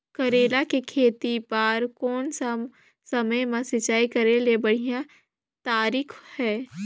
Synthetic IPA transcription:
kɐɾeːlakekʰeːt̪ipaːɾkɔːnsa | sɐməjmãsɪt͡ʃaːikɐɾelebɐɽ̤ijã | t̪aːɾiːkʰhɛː

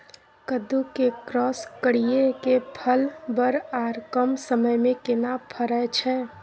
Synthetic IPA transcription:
kəd̪ukekɾɔːskəɽijekepʰəlbəɾaɾkəmsəməjmẽkɪnapʰəɾət͡ʃʰɛ

